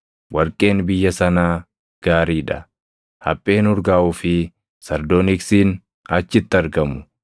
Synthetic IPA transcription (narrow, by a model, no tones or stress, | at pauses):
wɐɾkʼːe̞ːnbɪjːɐsɐnaː | ɡ̥aːɾiːᶑɐ | hɐ̰pʼːe̞ːnʊɾɡaːʔuːfɪ | sɐɾd̪oːnɪksiːn | ɐt͡ʃːɪt̪ːɪɐɾɡɐmʊ̥